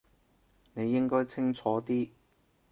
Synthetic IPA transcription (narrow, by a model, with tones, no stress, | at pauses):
ne˨˧jːɪ˥ŋkɔː˥jt͡sʰɪ˥ŋt͡sʰɔː˨˥t̪iː˥